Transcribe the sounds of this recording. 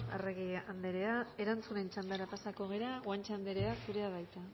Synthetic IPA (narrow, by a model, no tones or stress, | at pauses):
a̰reɣiand̪e̞ɾe̞ae̞ɾant͡sune̞nt͡ʃand̪aɾapasako̞ɣ̞e̞ɾaɣwant͡ʃand̪eɾe̞asuɾe̞aβajt̪a